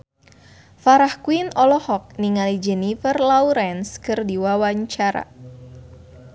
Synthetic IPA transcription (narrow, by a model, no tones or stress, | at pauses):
faɾahkuinɔlɔhɔk̚niŋalid͡ʒɛnifərlauɾɛnskɨrdiwawaɲt͡ʃaɾa̰